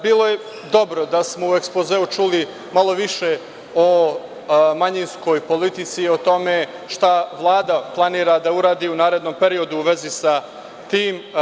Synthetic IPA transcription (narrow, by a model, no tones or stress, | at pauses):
biːlˠo̞je | d̪o̞bɾod̪asmo̞ue̞kspozeːut͡ʃuli | malˠo̞ʋiʃe̞ | o | maɲinsko̞jpo̞lit̪it̪sio̞t̪o̞me̞ | ʃt̪aʋlˠaːd̪aplˠaniːɾad̪auɾaːd̪iːunaːɾe̞d̪no̞mpe̞ɾio̞d̪uːʋe̞zisa | t̪iːm